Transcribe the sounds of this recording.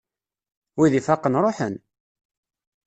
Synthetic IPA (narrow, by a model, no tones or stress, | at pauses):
wiðifaqːənɾˤoħə̰n